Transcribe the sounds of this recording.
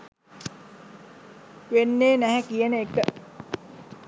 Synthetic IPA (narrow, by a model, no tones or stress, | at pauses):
ʋenːeːnæɦækijənəekə